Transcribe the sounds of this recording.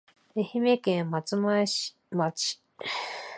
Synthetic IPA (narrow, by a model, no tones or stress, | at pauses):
ehimekẽmat͡sɨmḁ | mat͡ɕi̥